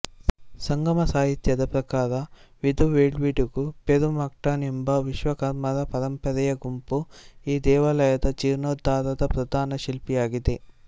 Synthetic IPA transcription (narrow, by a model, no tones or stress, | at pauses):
sɐŋɡɐmɐsaːɦit̪jɐd̪ɐpɾɐkaːɾɐʋid̪uʋeːɭʋiʈuɡupeɾumɐk̚ʈaːnembɐʋiʃʋɐkɐɾmɐɾɐpɐɾɐmpɐɾɛjɐɡumpuiːd̪ɛːʋɐlɐjɐd̪ɐt͡ʃiɾnoːd̪ːaːɾɐd̪ɐpɾɐd̪ʱaːnɐʃilpijaːɡid̪e̞